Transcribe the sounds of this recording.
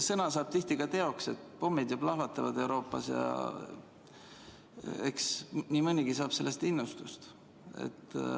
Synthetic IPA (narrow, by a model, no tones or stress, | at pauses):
sɤnɑsɑːb̥̚t̪iht̪iɡ̥ɑt̪e̞o̞kse̞t̪ːˑpo̞mːid̪jɑblɑhvɑt̪ːˑɑvɑd̪e̞wɾo̞ːpːˑɑ̰sjɑ̰ | eksniːmɤnʲiɡ̥isɑːb̥se̞lːe̞st̪inːust̪ust̪ | e̞̰t̪ː